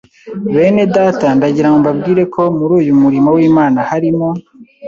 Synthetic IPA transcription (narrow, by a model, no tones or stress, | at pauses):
βe̞ːne̞daːtandaɟiɾamumbabɡiːɾe̞kʰo̞muɾuːjumuɾimowiːmaːnahaɾimo